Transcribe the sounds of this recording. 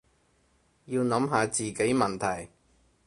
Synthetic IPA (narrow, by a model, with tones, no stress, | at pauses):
jiː˧wnɐ˨˥mɦaː˨˧t͡siː˨ke˨˥jmɐ˨nt̪ʰɐ˨˩j